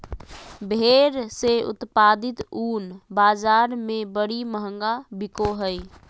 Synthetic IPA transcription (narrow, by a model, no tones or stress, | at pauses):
bʱeɾseʊ̰t̪pad̪ɪt̪uːnbaːd͡ʒaɾmebəɽiməɦə̃ŋɡabɪkoɦəj